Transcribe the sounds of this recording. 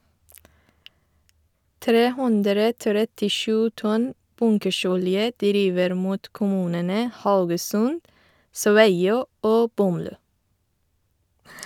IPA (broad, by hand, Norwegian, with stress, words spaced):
ˈtɾeː ˈhʊndɾə tɾɛtɪˈʃʉː ˈtɔn ˈbʊŋkəˌʃɔljə ˈdɾiːʋəɾ ˈmuːt kʊˈmʉːnənə ˈhaʊɡəsʉnd ˈsʋæɪˌoː ˈoː ˈbɔmˌlʉː